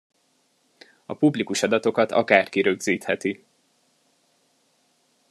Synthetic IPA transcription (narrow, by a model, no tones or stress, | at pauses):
ɒpublikuʃɒd̪ɒt̪o̞kɒt̪ɒ̰kaːrkiɾøɡziːt̪hɛt̪i